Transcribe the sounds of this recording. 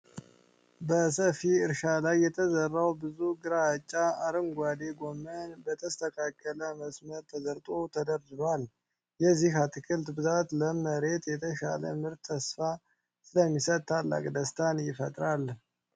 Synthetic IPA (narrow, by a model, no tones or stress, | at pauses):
bəsəfiɨɾʃalajːɛt̪ʰəzərːawbɨzuɡɨɾat͡ʃʼːaaɾɨŋɡʷad̪eɡo̞mːənbət̪ʰəst̪ʰəkʰakʼːələməsməɾt̪ʰəzəɾt̪ʼot̪ʰəd̪əɾdɨβal | jɛzːihat̪ʰɨkʰɨlt̪bɨzat̪ləməɾe̞t̪jɛt̪ʰəʃa̰lə̰mɨɾt̪ʰːəsfa | sɨləmːisət̪t̪ʰːalːa̰kʼd̪əst̪ʰanjɪfət̪ʼɾal